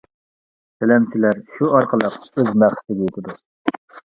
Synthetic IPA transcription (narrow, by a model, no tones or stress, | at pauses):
t̪ʰɛlɛmt͡ʃʰilæɾʃuɑɾqʰəlˠəqøzmæχsɪ̥t̪ɪɡʲɛjet̪ʰɪd̪u